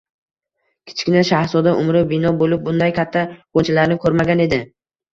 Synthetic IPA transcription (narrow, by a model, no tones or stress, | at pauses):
kʲʰɪ̥t͡ʃkʲɪnaʃahɾsɒd̪aʔʊmɾɪbɪnɒbolɪp̚bʊnd̪ajkʲʰat̪ʰːakont͡ʃʰalaɾnɪkʲʰɵɾmaɡʲane̞d̪ɪ